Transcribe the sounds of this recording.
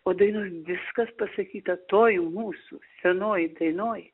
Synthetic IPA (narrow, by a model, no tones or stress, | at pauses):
oːd̪ɐɪnoːjʋʲɪskɐspɐsɐkʲiːt̪ɐt̪oːjmuːsusʲɛnoːjd̪ɐɪnoːj